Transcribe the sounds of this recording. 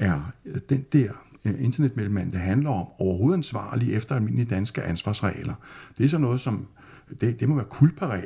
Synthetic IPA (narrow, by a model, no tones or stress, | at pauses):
æɐd̥end̥ɛɐ̰e̝nd̥ɐned̥̚melm̩ænd̥ɑ̈ɦænlɐɒ̽mɒʊɐɦo̝ːð̩ˠænsʋɑ̰̈ːliʔefd̥ɐælme̝n̰lid̥ænsɡ̥əʔænsʋɑ̈ːsʁɛ̰ːlɐd̥e̝æɐsɒ̽nːɔ̽ːð̩ˠsɒ̽m | d̥e̝d̥e̝moʋæːɐkʰul̥̚pʰɑʁɛ̰ː